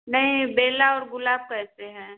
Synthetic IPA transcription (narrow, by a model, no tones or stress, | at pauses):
nɐɦĩbeːlaɔːɾɡʊlaːb̚kɛːseɦɛ̃ː